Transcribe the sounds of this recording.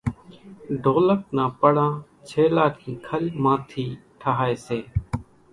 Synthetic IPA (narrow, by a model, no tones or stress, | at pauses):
ɖʱoːlək̚nãːpəɽãː | t͡ʃʰeːlaːkʰĩːkʰəlmãːt̪ʰiːʈʰəɦaːeːseː